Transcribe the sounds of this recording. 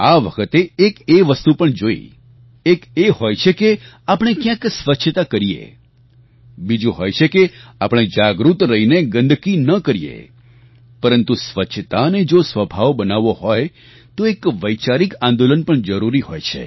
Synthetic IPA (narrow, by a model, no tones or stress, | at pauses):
aʋəkʰət̪eːkeʋəst̪upəɳd͡ʒoḭ | ekehojt͡ʃʰeke | apəɳ̃ekjãksʋətːʃʰt̪akəɾijḛ | bid͡ʒũɦojt͡ʃʰekeapəɽ̃ed͡ʒaɡɾut̪ɾəɦineɡə̃nd̪ʱkinəkəɾijḛ | pəɾənt̪usʋətːʃʰət̪aned͡ʒosʋəbʱaʋbənaʋohoj | t̪oekʋəjt͡ʃaɾikãnd̪olənpəɳd͡ʒəɾuɾihojt͡ʃʰḛ